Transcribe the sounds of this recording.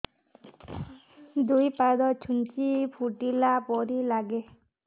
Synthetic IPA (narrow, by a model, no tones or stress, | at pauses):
d̪ujpad̪ɔt͡ʃʰunt͡ʃipʰuʈilapɔɾilaɡe